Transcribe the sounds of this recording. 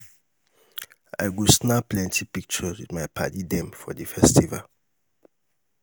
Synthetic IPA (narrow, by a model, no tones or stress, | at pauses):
a̰ɪɡusnaplɛ̃ntipik̚t͡ʃɔswidmajpʰa̰didɛ̃mfɔdifɛstiva̰l